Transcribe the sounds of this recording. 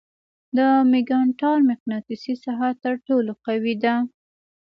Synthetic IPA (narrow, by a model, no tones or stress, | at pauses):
d̪əmɪɡɑɳʈɑɾmɪqnɑt̪isisaɦat̪əɾʈoloqawid̪a